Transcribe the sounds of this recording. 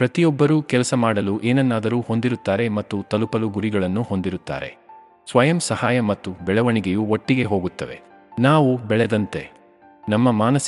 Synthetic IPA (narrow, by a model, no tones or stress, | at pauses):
pɾɐt̪ijɔbːɐɾuːkɛlɐsɐmaːɽɐluʔeːnɐnːaːd̪ɐɾuːho̞nd̪iɾut̪ːaːɾe̞mɐt̪ːut̪ɐlupɐluɡuɾiɡɐɭɐnːuho̞nd̪iɾut̪ːa̰ːɾe̞̰ | sʋɐjɐmsɐhaːjɐmɐt̪ːubɛɭɐʋɐɳiɡejuoʈːiɡe̞ɦoːɡut̪ːɐʋe̞̰ | naːʋubɛɭɛd̪ɐnt̪e̞ | nɐmːɐmaːnɐs